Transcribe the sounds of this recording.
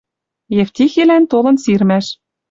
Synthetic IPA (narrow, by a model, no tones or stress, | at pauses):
jĕft̪ʲixelænt̪olɤ̆nsirmæʃ